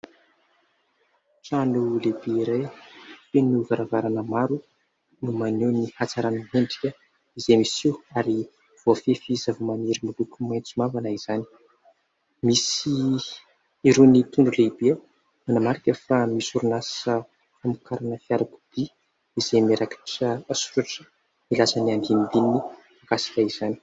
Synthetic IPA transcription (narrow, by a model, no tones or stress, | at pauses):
ʈ͡ʂanulebeiɾajfenuvaɾavaɾanəmaɾu | numaninihat͡saɾanəɦeɳɖ͡ʐi̥kʲə | izemisiwaɾi | v̥ofefizavumaneɾimulukʲumajnt͡sumavanaiz̥ani̥ | misi | iɾunit̪uɳɖ͡ʐuleibe | manamaɾikʲefamisuɾunasə | famukʰaɾanəfiaɾaku̥d̪̥i | izemeɾakʰḁʈ͡ʂəːsu̥ɾaʈ͡ʂə̥ | milasaniand̪ind̪inːi | aɡasi̥kʲaiz̥ani̥